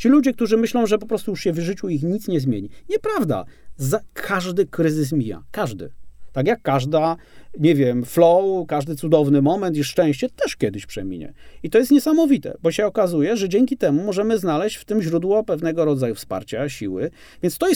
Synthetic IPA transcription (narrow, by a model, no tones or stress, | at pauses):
t͡ɕilud͡ʑɛk̚t̪uʐɘmɘɕlɔ̃w̃ʐɛpɔpɾɔst̪ujuʂɕɛvʐɘt͡ɕuixɲit̪sɲɛzmʲjeɲiɲɛpɾavd̪a̰zakʰaʐd̪ɘkɾɘzɘs̬mʲija̰kaʐd̪ɘ̰t̪akjakːaʐd̪aɲɛvʲjɛmflɔwkaʐd̪ɘt̪sud̪ɔvnɘmɔmɛnt̪̬iʂt͡ʂɛ̃w̃ɕt͡ɕɛt̪ɛʂkʲjɛd̪ɘɕpʂɛ̰mʲḭɲɛ̰it̪ɔjɛst̪̚ɲɛsamɔvʲit̪ɛ̰bɔɕɛɔkazujɛʐɛd͡ʑɛŋʲkʲit̪ɛmumɔʐɛmɘznalɛɕt͡ɕft̪ɘmʑɾud̪wɔpɛvn̪ɛɡɔɾɔd̪zajufspa̰ɾt͡ɕaɕḭwɘ | vʲjɛnst̪ɔjɛ